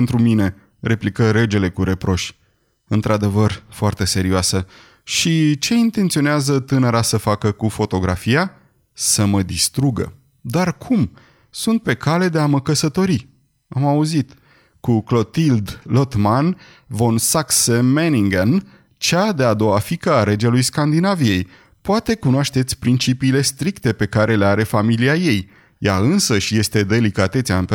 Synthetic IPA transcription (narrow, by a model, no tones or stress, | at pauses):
ent̪ɾumine̞ | re̞plikəɾe̞d͡ʒe̞le̞kuɾe̞pɾo̞ʃʲ | ɨnt̪ɾad̪e̞vərfoart̪e̞se̞ɾioasə | ʃit͡ʃe̞int̪e̞nt̪sio̞neazət̪ɨnəɾasəfakəkufo̞t̪o̞ɡɾafija | səməd̪ist̪ɾuɡə̰ | d̪arkʰum | sunt̪̚pe̞kale̞d̪e̞aməkəsət̪o̞ɾi | amauzit̪ | kuklo̞t̪ild̪lo̞t̪man | vo̞nsaksemeniŋɡen | t͡ʃad̪e̞ad̪o̞wafikəaɾe̞d͡ʒelujskand̪inavije̞j | poat̪e̞kunoaʃt̪et̪sʲpɾint͡ʃipiːle̞st̪ɾikt̪e̞pe̞kaɾe̞le̞aɾe̞familiaje̞j | jaɨnsəʃje̞st̪e̞d̪e̞likat̪e̞t̪sʲaɨnp